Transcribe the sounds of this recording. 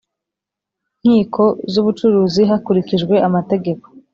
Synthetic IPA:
ŋ̥hiːkʰo̞zuβut͡ʃuɾuːziɦakuɾikiʒɡwe̞ʔamate̞ɡe̞ko̞̥

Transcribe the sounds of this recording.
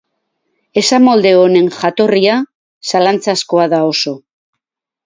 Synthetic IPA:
e̞samo̞ld̪e̞one̞ŋʝat̪o̞ria | salant͡sasko̞aðao̞so̞

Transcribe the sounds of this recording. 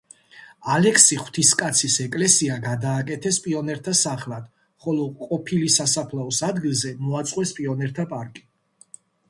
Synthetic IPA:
alɛkʰsiχw̥t̪ʰiskʼat̪sʰisɛkʼlɛsiaɡad̪aːkʼɛt̪ʰɛspʼiɔnɛɾt̪ʰasaχlˠad̪̥ | χɔlɔqʼɔpʰilisasapʰlaɔsad̪ɡilˠzɛmɔat̪sʼqʼwɛspʼiɔnɛɾt̪ʰapʼaɾkʼi̥

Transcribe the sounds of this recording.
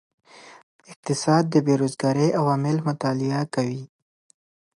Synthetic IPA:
ɪq̚t̪ɪsɑd̪̚ːəbeɾozɡɑɾeʔawɑmɪlmʊt̪ɑlɪakawi

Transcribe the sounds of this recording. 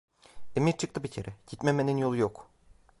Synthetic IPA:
emiɾt͡ʃʰɯk̚t̪ʰɯbicʰe̞ɾʔɛɟ̥it̪me̞meninjo̞lˠujo̞k

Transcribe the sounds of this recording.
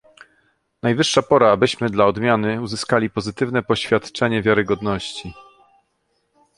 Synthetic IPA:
najvɘʂːapɔɾaːbɘɕmɘd̪laɔd̪mʲjanɘuzɘskalʲipɔzɘt̪ɘvnɛpɔɕfʲjat̪t͡ʂɛɲɛvʲjaɾɘɡɔd̪nɔɕt͡ɕi

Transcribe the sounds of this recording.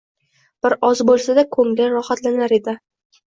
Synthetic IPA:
b̥ɪɾɒzbolˠsad̪akʰɵŋlʲɪɾɒhat̪lanaɾe̞d̪ɪ

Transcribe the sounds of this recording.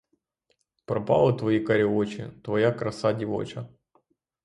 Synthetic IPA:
pɾɐpa̰lˠɨt̪vɐjikɐɾʲɪot͡ɕɪ̰t̪vɐjakɾɐsadʲɪvo̰t͡ɕɐ

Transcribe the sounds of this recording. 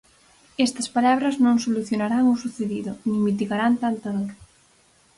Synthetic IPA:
ɛst̪ɐspalaβ̞ɾɐznõŋsoluθjonaɾaŋʊsuθeðiðʊnĩŋmit̪̬iɣaɾant̪ant̪aðoɾ

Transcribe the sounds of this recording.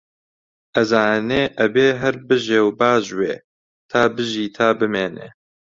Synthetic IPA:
ʔɐzaːneːʔɐbeːɦɐɾbɨʒeːwbaːʒweː | t̪ʰaːbɨʒiːt̪ʰaːbɨmeːnḛː

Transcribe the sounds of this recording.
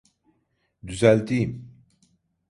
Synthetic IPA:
d̪yzælʲt̪ʰijim

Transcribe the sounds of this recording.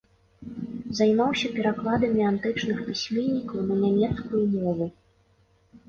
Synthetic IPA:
zajmawsʲɐpʲɛɾaklˠad̪ɐmʲiant̪ɨt͡ʂnɨxpʲisʲmʲɛnʲːikɐwnɐnʲamʲɛt̪skujumɔvu

